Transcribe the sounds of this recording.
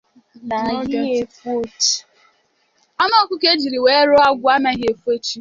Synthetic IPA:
n˨˦e˨˦fo˦t | a˦nɔ˦˨kʷʊ˦ke˦d͡ʒi˨ɾi˨we˨e˦ɾo˦a˦ɡʷʊ˦a˦ne˦ɣe˨fe˦t͡ʃi˦

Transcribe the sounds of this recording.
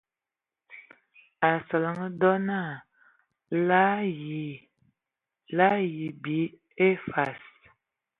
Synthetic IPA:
a˨sa˨la˨ŋə˦dɔ˦na˦˨ | la˦ji˨ | la˦ji˨bi˨˦ | e˦fa˨s

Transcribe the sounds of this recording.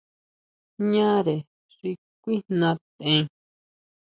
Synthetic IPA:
ɲã˦ɾe˨ | ʐi˧ | k̚ʷi˦nnã˧t̪ẽ˧˦

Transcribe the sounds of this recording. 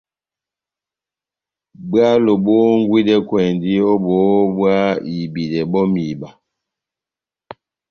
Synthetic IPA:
bwa˦lo˨bɔ˦ŋ̩˦ɡwi˦dɛ˦kwɛ˨ndi˦ɔ˦bɔ˨˦bwa˦i˨bi˨dɛ˨bɔ˦mi˨ba˨

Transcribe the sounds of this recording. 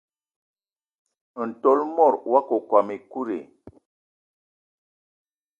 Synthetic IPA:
n̩˨to˦lmɔ˦˨ɾwa˦ko˨kwa˨mi˨ku˦ɾḛ˨

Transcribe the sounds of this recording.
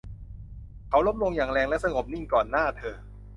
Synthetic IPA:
kʰa˦˥wlo˦˥p̚lo˧ŋjaː˨˩ŋɾɛː˧ŋlɛ˦˥sa˧ŋo˨˩p̚ni˥˩ŋkɔː˨˩nːaː˥˩t̪ʰɤː˧

